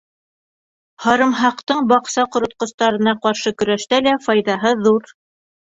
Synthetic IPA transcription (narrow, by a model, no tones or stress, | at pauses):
hɑɾɤ̆mɦɑqt̪ɤɴbɑqsɑqŏɾŏt̪̚qŏst̪ɑɾɤ̆nɑqɑɾʃɤkɵ̆ɾæʃt̪ælæfɑjðɑɦɤðuɾ